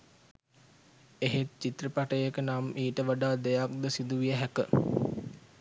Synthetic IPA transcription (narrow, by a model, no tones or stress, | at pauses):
eɦet̪̚t͡ʃit̪rəpaʈəjəkənamʔiːʈəʋaɖaːd̪ejak̚d̪əsid̪uʋijəɦækə